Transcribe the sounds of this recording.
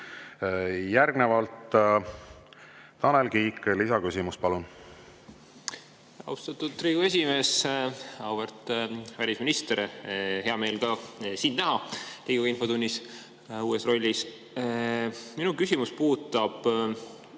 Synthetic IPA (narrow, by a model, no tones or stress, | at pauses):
jæɾɡnevɑlt̪ | t̪ɑnelɡiːkːlisɑkysimuspɑlun | ɑ̰wst̪ɑt̪ːˑud̪̚t̪riːɡue̞s̬ʲime̞ːs | ɑwb̥ert̪vælʲisminist̪eɾhe̞ɑme̞ːlɡɑsiːnnæɦɑliɡ̥uinfo̞d̪unʲːis | uːesro̞lʲːis | minukysʲimuspuːt̪ːˑɑb̥